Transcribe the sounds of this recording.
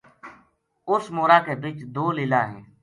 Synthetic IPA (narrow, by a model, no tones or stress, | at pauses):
ʊsmoːɾaːkeːbiːt͡ʃd̪oːlɪlaːɦɛ̃ː